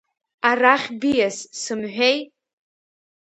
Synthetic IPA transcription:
araχʲbijassɨmħʷᶣej

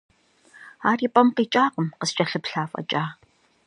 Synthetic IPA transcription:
aːriːpʼɐmqiːt͡ʃʼaːqəmqəst͡ʃʼɐɬɨpɬaːfʼɐ̰t͡ʃʼaː

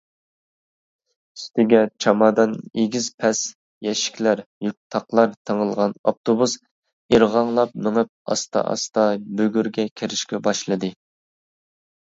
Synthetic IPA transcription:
y̥st̪ɪɡʲɛt͡ʃʰɑmɑːd̪ɑneɡʲiz̥pʰɛs | jɛʃi̥kʲlæɾjyk̚ʲt̪ʰɑqlˠɑɾt̪ʰəŋəlˠʁɑnop̚t̪ʰobus | iɾʁɑŋlˠɑp̚mɪŋɪp̚ɑ̰st̪ɑ̰ʔɑ̰st̪ɑbøɡʲyɾɡʲɛkʲʰeɾɪʃkʲɛbɑʃlˠɨd̪ɨ

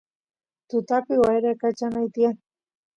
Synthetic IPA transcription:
t̪ut̪apiɣwaeɾakat͡ʃanajt̪ian

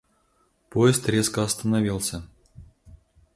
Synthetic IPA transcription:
poɪst̪rʲeskəɐst̪ənɐvʲilˠsʲə

